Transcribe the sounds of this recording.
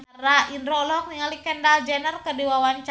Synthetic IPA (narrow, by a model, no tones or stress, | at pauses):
raʔinɾɔlɔk̚niŋalikɛndald͡ʒɛnərkədiwawant͡ʃ